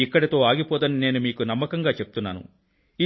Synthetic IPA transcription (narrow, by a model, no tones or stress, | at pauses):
ikːɐɽɐt̪o̞ːaːɡipɔːd̪ɐnine̞ːnumiːkunɐmːɐkɐŋɡaːt͡ʃepu̥t̪unːa̰ːnṵ | i